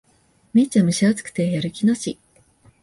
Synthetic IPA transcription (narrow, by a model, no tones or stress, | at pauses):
mʲit͡ɕamɯ̟ɕiat͡sɨ̥kɯ̥t̪e̞jaɾɯ̟kʲinoɕi